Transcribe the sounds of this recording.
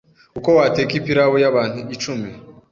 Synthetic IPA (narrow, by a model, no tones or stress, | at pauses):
ukowateːkimpiɾawojaβaːn̥uit͡ʃumi